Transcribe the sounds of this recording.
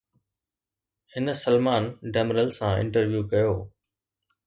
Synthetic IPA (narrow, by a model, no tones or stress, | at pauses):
hɪnəsəlmaːnɖɛːmɾəlsãɪ̰̃ɳʈəɾʋjuːkɐjoː